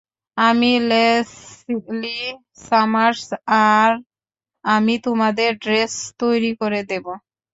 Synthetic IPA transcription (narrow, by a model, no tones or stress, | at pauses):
amilesikli | samaɾsaɾ | amit̪ʊmad̪eɖɾest̪ojɾikɔɾɛd̪ebo